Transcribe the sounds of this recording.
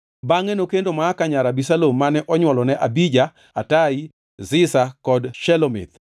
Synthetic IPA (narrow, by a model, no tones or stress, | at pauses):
baŋɛnokendomaːkaɲaɾabisalomːanɛʔɔɲwɔlɔnɛʔabid͡ʒa | atai | zɪsakɔdʃɛlomɪ̰t̪̚